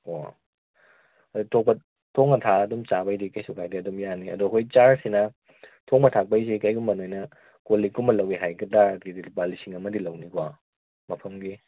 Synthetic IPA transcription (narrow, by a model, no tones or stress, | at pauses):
o̰ | ɐutʰok̚pɐ | tʰoŋnɐtʰaɐdumt͡ʃabajdikajsʰukʰajdiɐdumjaniɐ̰duɐkʰojt͡ʃaɾsinɐ | tʰoŋmɐtʰak̚pajzikajɡumbɐnojnɐ | koliɡumbɐlɐwiɦajɡɐdadidibalisiŋɐmɐdilɐwniɡwa | mɐpʰɐmɡi